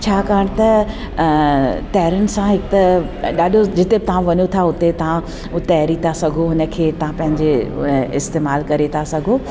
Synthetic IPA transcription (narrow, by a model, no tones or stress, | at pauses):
t͡ɕʰaːkaːəɽ̃t̪ɐ | t̪ɐɦɪɾənɪ̆sãɦɪk̚t̪ɐ | ɗaːɗʱod͡ʑɪt̪ebɪt̪ɐʋãʋɐɲot̪ʰaʊt̪et̪ɐɦã | ʊt̪eɦɐɾit̪ʰasɐɡʱoɦʊnə̆kʰeːt̪ɐʋ̤ãpɐ̃ɦɪ̃ɲd͡ʑeɪ̰st̪eːmaːlkɐɾet̪ʰasɐɡʱo